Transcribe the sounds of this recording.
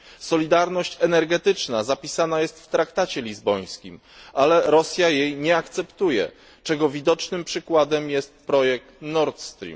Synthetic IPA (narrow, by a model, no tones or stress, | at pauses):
sɔlʲid̪aɾnɔɕt͡ɕɛnɛɾɡɛt̪ɘt͡ʂnazapʲisanajɛst̪ft̪ɾakt̪at͡ɕɛlʲizbɔj̃skʲḭm | ʔalɛɾɔsʲjajejɲɛakt̪sɛpt̪ujɛ̰ | t͡ʂɛɡɔvʲid̪ɔt͡ʂnɘmpʂɘkwad̪ɛmjɛst̪̚pɾɔjɛk̚t̪nɔɾt̪st̪ɾʲḭm